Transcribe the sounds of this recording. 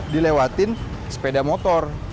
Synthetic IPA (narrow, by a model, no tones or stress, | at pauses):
dilewat̪ɪn | spedamɔt̪ɔr